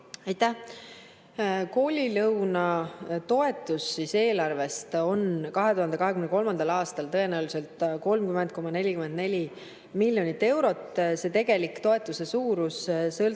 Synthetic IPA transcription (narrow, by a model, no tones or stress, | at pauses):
ɑjt̪ːæh | ko̞ːlʲilɤwnɑt̪o̞e̞t̪ːˑusːise̞ːlɑrve̞st̪o̞nkɑɦe̞t̪uhɑnd̪ekɑɦe̞kymneko̞lmɑnd̪̥ɑlɑːst̪ɑlt̪ɤje̞næːwlise̞lt̪ko̞lmkymen̚ko̞mɑne̞lʲikymend̪ne̞lʲi | milʲjo̞nit̪ːe̞wɾo̞t̪ːse̞t̪e̞ɡ̥e̞likt̪o̞e̞t̪ːˑuse̞suːɾussɤl